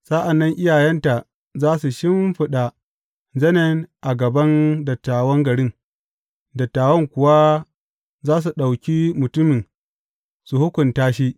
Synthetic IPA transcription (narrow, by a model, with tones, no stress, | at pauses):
sa˦ʔa˨nːɐ˦ŋʔɪ˦jaː˨jɛ˦nta˨ʔ | zaː˦su˨ʃɪ˦mɸɪ˦ɗa˨ | zɐ˦nɐ˦nʔa˨ɡɐ˨bɐ˦ndɐ˨tːaː˨wɐ˦ŋɡɐ˨ɽɪ˦ŋ | dɐ˨tːaː˨wɐ˦ŋkʷʊ˨wa˦ | zaː˦s̬u˨ɗa˨wkʲiː˦mʊ˨tʊ˦mɪ˨n | su˨hʊ˦kʷʊ˨ntaː˦ʃi˦